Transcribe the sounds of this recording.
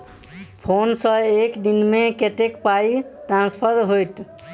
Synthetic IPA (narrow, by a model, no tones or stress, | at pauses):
pʰonsə̃ekd̪inmekeʈekpajʈɾãnspʰəɾɦojt̪